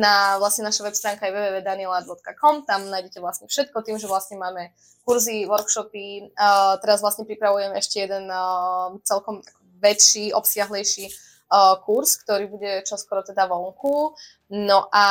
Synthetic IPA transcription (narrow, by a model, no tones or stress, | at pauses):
naʋlasɲɛnaʃaʋɛpst̪ɾaːŋkajɛʋɛːʋɛːʋɛːd̪aniɛlabɔt̪kakɔmt̪amnaːjɟɛcɛʋlasɲɛfʃɛt̪̚kɔt̪iːmʒɛʋlasɲɛmaːmɛ | kuɾziʋɔɾkʃɔpit̪ɛɾazʋlasɲɛpɾipɾaʋujɛmɛɛʃcɛjɛd̪ɛn | t͡sɛlkɔmakɔʋɛt͡ʃiʔɔpsɪaɦlɛjʃi | kuɾskt̪ɔɾiːbuɟɛt͡ʃɔskɔɾɔt̪ɛd̪aʋɔŋku | nɔʔa